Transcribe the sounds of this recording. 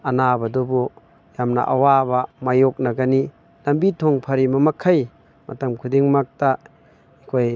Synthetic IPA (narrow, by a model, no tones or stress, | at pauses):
ɐnabɐdobu | jamna̰ʔawabamajok̚naɡɐni | lɐmbitʰoŋpʰɐɾimɐmɐkʰaj | mɐtɐmkʰudiŋmak̚ta | ikʰoj